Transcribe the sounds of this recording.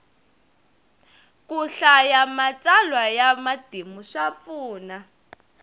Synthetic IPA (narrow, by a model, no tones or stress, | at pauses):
kuɬajamat͡salwajamad̥ʱimuʂafuːna